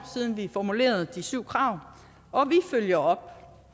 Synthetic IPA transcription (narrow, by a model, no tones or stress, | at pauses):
siðˠn̩ʋifɒmule̝̰ːɐð̞̩ˠd̥isyʊ̰kʰʁɑ̈ʊ | ɒ̽ʋiføljɐɒ̽b̥